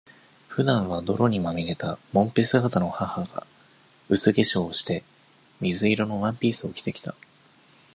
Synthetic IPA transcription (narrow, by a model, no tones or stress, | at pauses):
ɸɯ̟d̪ãɰ̃β̞ad̪o̞ɾo̞ɲ̟imamʲiɾe̞t̪amõ̞mpe̞sɨɡat̪ano̞hahaɡa̰ | ɯ̟sɨɡe̞ɕoːɕi̥t̪e̞ | mʲizɨiɾo̞no̞βãmpʲiːsɨo̞kʲi̥t̪e̞kʲi̥t̪a